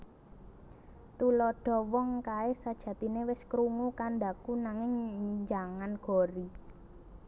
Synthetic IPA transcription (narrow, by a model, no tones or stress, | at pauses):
t̪ulɔɖ̥ɔ̤wɔŋkaɪsad̥ʒ̥ä̤t̪inewɪskɾuŋukanɖ̪akunaŋɪŋɲd͡ʒaŋanɡ̥ɔ̤ɾi